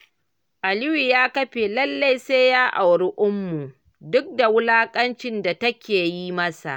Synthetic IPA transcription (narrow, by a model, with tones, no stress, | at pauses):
ʔa˨lɪ˦wiː˨jaː˦kɐ˦ɸe˨lɐ˦lːa˦jse˦jaː˦ʔa˨wɽɪ˦ʔʊ˦mːu˨ | dʊ˦k̚da˨wʊ˦laː˦kʼɐ˦nt͡ʃɪ˦nda˨tɐ˦kʲeː˨ji˦mɐ˦sa̰˨ʔ